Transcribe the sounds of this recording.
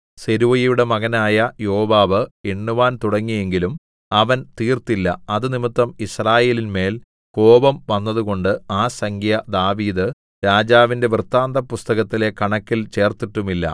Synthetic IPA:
seɾuʋɐjijuɽe̞mɐɣɐnaːjɐjo̞ːʋaːʋɨeɳːuʋaːnt̪uɽɐŋːije̞ŋɡilum | ɐʋɐnt̪iːrt̪ilːɐ̰ɐðɨnimit̪ːɐmisraːje̞ːlinme̞ːl | ko̞ːbɐmʋɐnːɐðuɣo̞ɳɖɨaːsɐŋɡʰʱjɐd̪aːʋiːðɨ | ɾaːd͡ʑaːʋinde̞ʋrt̪ːaːnd̪ɐpːust̪ɐɣɐt̪ːile̞kɐɳɐkːilt͡ɕe̞ːrt̪iʈːumilːɐ̰

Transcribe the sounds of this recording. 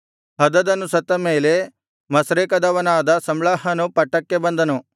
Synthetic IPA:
ɦɐd̪ɐd̪ɐnːusɐt̪ːɐmeːle | mɐsɾeːkɐd̪ɐʋɐnaːd̪ɐsɐmlaːɦɐnupɐʈːɐkːebɐnd̪ɐnu

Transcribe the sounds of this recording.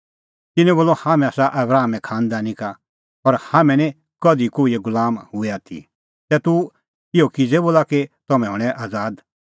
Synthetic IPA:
t̪ɪnɛ̃boːlɔhamɛ̃aːsaʔɐbɾaːmɛ̃kʰaːnd̪aːnĩka | ɔɾhamɛ̃nɛ̃ | kɔd̪ikoːiɛɡʊlaːmɦʊɛaːt̪ʰḭ | t̪ɛːt̪u | ɪokid͡zɛboːlaket̪ɔmɛ̃ɦɔɽ̃ɛʔaːd͡zaːd̪

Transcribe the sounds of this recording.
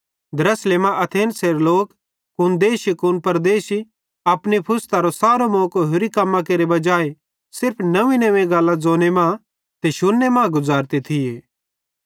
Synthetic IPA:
d̪ɐɾɐsleːmãʔɐt̪ʰeːnseːɾloːk | kʊnd̪eːʃikʊnpɐɾd̪eːʃi | ɐpnipʰʊst̪aɾosaːɾomõːkoɦʊɾikɐmːãk̬eːɾebɐd͡ʒaːe | sɪɾpʰnɐʋĩnɐʋẽɡaːlːãd͡zoːnemãː | t̪eʃʊnːemãːɡʊzaːɾt̪et̪ʰɪjeː

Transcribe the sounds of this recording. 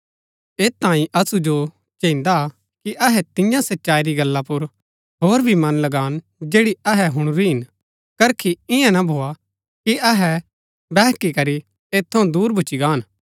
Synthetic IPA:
eːãːĩʔɐsud͡ʒo | t͡ʃẽːɪ̃nd̪a | kiʔɐɦɛt̪ɪ̃jãsɐtːʃaːiɾiɡɐlːapʊɾ | ɦoːɾbʱimɐ̃nlɐɡaːn | d͡ʒeːɽiɐɦɛɦʊɽ̃ɾiɦɪn | kɐɾkʰiɪ̃ãnabʱoːa | kiɐɦɛ | bɛːkikɐɾi | eːt̪ʰːɐũd̪uːɾbʱʊt͡ʃiɡaːn

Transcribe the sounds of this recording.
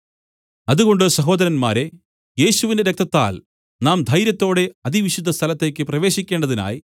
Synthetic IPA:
ɐðuɣo̞ɳɖɨsɐɦo̞ːd̪ɐɾɐnmaːɾe̞ | je̞ːɕuʋinde̞ɾek̚t̪ʰːɐt̪ːa̰ːl | naːmd̪ʱɐjɾjɐt̪ːo̞ːɽe̞ɐðiʋiɕud̪ʱːɐst̪ʰɐlɐt̪ːe̞ːkʲːɨprɐʋe̞ːɕikʲːe̞ːɳɖɐðina̰ːji

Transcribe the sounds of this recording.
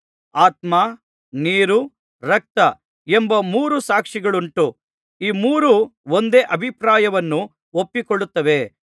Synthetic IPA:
aːt̪̚maː | niːɾu | ɾɐk̚t̪ɐ | embɐmuːɾusaːkʂiɡɐɭuɳʈu | iːmuːɾuond̪eːʔɐbʱipɾaːjɐʋɐnːu | opːikoɭut̪ːɐʋe̞

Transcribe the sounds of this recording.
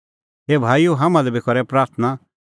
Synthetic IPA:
ɦeːbʱaːijuɦaːmãlɛbʱikʰɔɾɛpɾaːɾt̪ʰna

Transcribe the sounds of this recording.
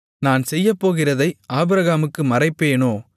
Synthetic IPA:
naːnsɛjːɐpːoːɣɪrɐðɐɪʔaːbɯɾɐɣaːmɯkːɯmɐɾɐɪpːeːnoː

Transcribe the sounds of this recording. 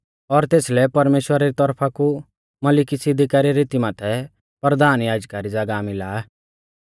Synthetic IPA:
ɔɾt̪eːslɛpɐɾmeːʃwəɾaɾit̪ɔɾpʰaku | mɐlɪkisɪd̪ʱikaɾiɾɪt̪imãːt̪ʰɛ | pɾəd̪ʱaːnjaːd͡ʒkaɾid͡zɐɡamɪlaːɛ

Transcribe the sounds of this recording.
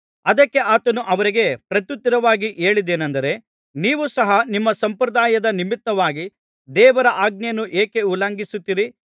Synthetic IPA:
ɐd̪ɐkːe̞ʔaːt̪ɐnuʔɐʋɐɾiɡe̞pɾɐt̪jut̪ːiɾɐʋaːɡiʔeːɭid̪eːnɐnd̪ɐɾe̞ | niːʋusɐɦɐnimːɐsɐmpɾɐd̪aːjɐd̪ɐnimit̪ːɐʋaːɡi | d̪ɛːʋɐɾɐʔaːɡ̚njɐnːuʔeːke̞ulaːŋɡisut̪ːiɾi

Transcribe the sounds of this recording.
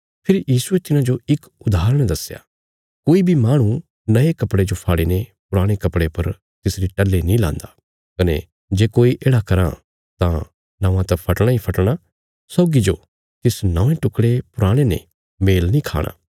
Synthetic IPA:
pʰɪɾjiːsuet̪ɪnãd͡ʒoɪk | ʊd̪ʱaːɾəɽ̃d̪ɐsja̰ | koːibʱimaːɽ̃ũ | nɐekɐpɽed͡ʒopʰaːɽenepʊɾaːɽ̃ekɐpɽepɐɾ | t̪ɪsɾiʈɐlːenĩlã̰ːnd̪aː | kɐnḛ | d͡ʒeːkoːiʔeːɽakɐɾã̰ | t̪ã | nɐ̃ːʋãt̪ɐpʰɐʈɽ̃ãipʰɐʈɽ̃a | sɔːɡid͡ʒo | t̪ɪsnɐ̃ʋẽʈʊkɽepʊɾaːɽ̃enḛ̃ | meːlnĩkʰa̰ːɽ̃a̰ː

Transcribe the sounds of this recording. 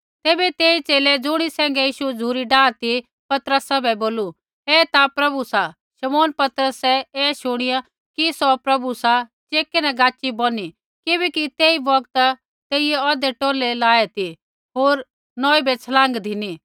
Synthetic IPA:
t̪eːbɛt̪eːit͡ʃeːled͡zʊɽ̃isɛ̃ːŋɡɛjiːʃud͡zʱuːɾiɖaːt̪i | pɐt̪ɾəsabɛboːlu | ɛt̪apɾɐbusa | ʃɐmoːnpɐt̪ɾəsɛɛːʃʊɽ̃ɪja | kisɔpɾɐbusat͡ʃeːkenɛ̃ɡaːt͡ʃːibɔːni | kɪbɛkit̪eːibɐk̚t̪ | t̪eːɪjɛɔːd̪ɛʈoːlelaːet̪i | ɦoːɾ | nɔːibɛt͡sʰɐlãːŋɡd̪ʱɪni

